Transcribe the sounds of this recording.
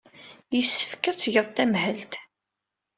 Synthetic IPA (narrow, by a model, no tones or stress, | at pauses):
jəsːə̥fkæt͡sːʝəðˤt̪æmhəlt̪